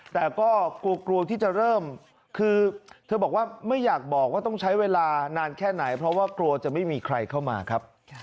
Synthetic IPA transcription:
t̪ɛː˨˩kɔː˥˩kɾu˧ɐkɾu˧ət̪ʰiː˥˩t͡ɕa˨˩ɾɤː˥˩m | kʰɯː˧t̪ʰɤː˧bɔː˨˩k̚waː˥˩ma˥˩jːaː˨˩k̚bɔː˨˩k̚waː˥˩t̪ɔ˥˩ŋt͡ɕʰa˦˥jweː˧laː˧naː˧nkʰɛː˥˩na˩˦jpʰɾɔ˦˥waː˥˩kɾu˧ɐt͡ɕa˨˩ma˥˩jmiː˧kʰɾa˧jkʰa˥˩wma̰ː˧kʰa˦˥p̚

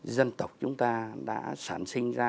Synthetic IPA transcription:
zə˧nt̪ə˨˩wk͡p̚t͡ɕʊ˨˦ŋ͡mt̪aː˧ɗa̰ː˧˥saː˧˩nsï˧ŋ̟zaː˧

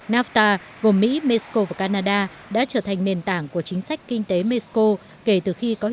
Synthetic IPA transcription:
naː˦˥ft̪aː˧ | ɣo˨˩mmḭ˧˥me˧sko˧vaː˨˩kaː˧naː˧ɗaː˧ | ɗa̰ː˧˥t͡ɕəː˧˩t̪ʰa˨˩ŋne˨˩nt̪aː˧˩ŋku˧˩ət͡ɕï˨˦ŋ̟sa˦˥jk̟̚kï˧ŋ̟t̪e˨˦me˧sko˧ | ke˧˩t̪ɨ˨˩xi˧kɔ˨˦

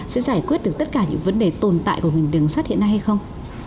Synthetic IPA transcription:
sɛ̰˧˥zaː˧˩jkwi˦˥ət̚ɗɨ˨˩ək̚t̪ə˦˥t̚kaː˧˩ɲɨ̰˧˥ŋvə˨˦nɗe˨˩t̪o˨˩nt̪a̰ː˧˨jku˧˩əmï˨˩ŋ̟ɗɨ˨˩ŋsaː˦˥t̚hḭ˧˨ənːa˧jha˧jxə˧wŋ͡m

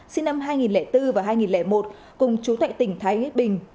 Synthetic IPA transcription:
si˧nːa˧mɦaː˧jŋi˨˩nlɛ˧˩t̪ɨ˧vaː˨˩ɦaː˧jŋi˨˩nlɛ˧˩mo˨˩t̚ | kʊ˨˩ŋ͡mt͡ɕu˨˦t̪wa̰ː˧˨jt̪ï˧˩ŋ̟t̪ʰaː˨˦ji˦˥t̚ɓï˨˩ŋ̟

